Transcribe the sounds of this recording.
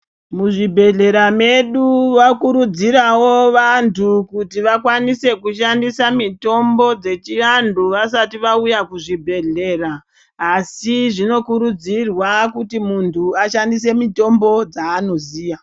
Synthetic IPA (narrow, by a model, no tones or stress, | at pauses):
muʐibʱe̞ɮe̞ɾame̞ɗuʋakuɾud͡ziɾawo̞ʋantʰukutiʋakwanise̞kuʃandisamito̞mbo̞d͡ze̞t͡ʃiʋanduʋasatiʋaujakuʐibʱe̞ɮe̞raː | siʐino̞kuɾud͡zirwakutimuntʰuaʃandis̬e̞mito̞mbo̞d͡zaːno̞ziːja